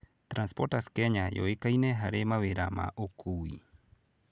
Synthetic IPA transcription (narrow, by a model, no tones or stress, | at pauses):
t̪ɾanspoɾtaskeɲajo̰ekajneɦaɾemaβeɾama̰ʔokʰuwi